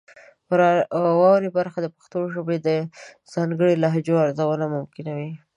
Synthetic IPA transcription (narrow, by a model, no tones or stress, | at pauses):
pəɾɑwɑwɾebaɾxad̪əpaxt̪oʒəbed̪ə | z̥ɑŋɡəɽilaɦd͡ʒoaɾzawəlamʊmkɪnawi